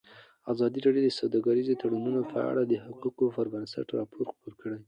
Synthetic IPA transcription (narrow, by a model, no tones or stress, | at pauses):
azɑd̪iɾɑɖjod̪əsawd̪ɑɡaɾizot̪ʰaɽununopʰəa̰ɽad̪əhaquqofaɾvansa̰ʈɾɑpʰoɾxpoɾkəɽaj